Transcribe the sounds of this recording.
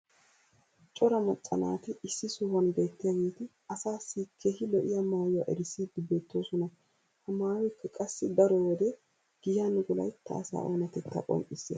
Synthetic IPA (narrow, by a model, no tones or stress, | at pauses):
t͡ʃʼɔɾɐmɔt͡sʼːɐna̰ːt̪ɪɪsːɪsuːwɐnbe̞ːt̪ːɪjaɡeːt̪ɪ | ɐsaːsːikʰːeːhɪlɔʔɪjɐmaːjʊaʔɛɾɪsiːd̪ɪbe̞ːt̪ːoːsɔnɐ | hɐmaːwɪkːɐkʼɐsːɪd̪ɐɾɔwɔd̪ɛ | ɡ̥ɪjanʊɡʊlɐ̰jt̪ːɐ̰ɐsa̰ːʔo̰ːnɐt̪ɛt̪ːɐ̰kʼɔ̰ŋkʼɪsːeː